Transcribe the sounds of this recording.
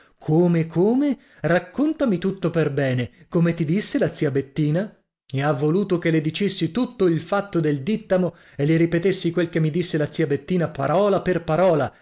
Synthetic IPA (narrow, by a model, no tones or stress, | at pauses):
kʰoːmekʰoːme | rakːont̪amit̪ut̪ːoperbɛːnekomet̪id̪isːelat̪siabet̪ːiːna | meavːoluːt̪okeled̪it͡ʃesːit̪ut̪ːoilfat̪ːod̪eld̪it̪ːamo | eleɾipet̪esːikwelkemːid̪isːelat̪siabet̪ːiːnapa̰ɾɔːlaperpaɾɔːla